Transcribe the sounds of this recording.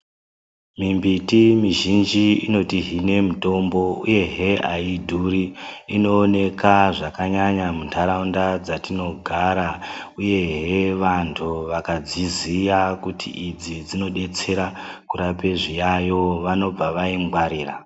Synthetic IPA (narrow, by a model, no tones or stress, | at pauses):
mimbitimiʒind͡ʒiino̞tiɦine̞muto̞mbo̞ṵje̞ɦeaidʱuɾiino̞ːne̞kaʐakaɲaɲamuntʰaɾaundad͡zatino̞ɡʱaɾauje̞ɦeʋantʰuʋakad͡zizijakutʰḭʔid͡zid͡zino̞ɗe̞t͡se̞ɾa | kuɾape̞ʐijajo̞ʋano̞b͡vaʋaiŋɡwaɾiːra̰